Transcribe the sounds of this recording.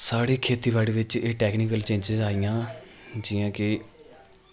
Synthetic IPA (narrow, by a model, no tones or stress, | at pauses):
saːɽiːkʰeːt̪iːʋaːɽiːʋɪt͡ʃeːʈɛːkniːkəlt͡ʃẽːɲd͡ʒɪzaːijãː | d͡ʒiːãːkɪ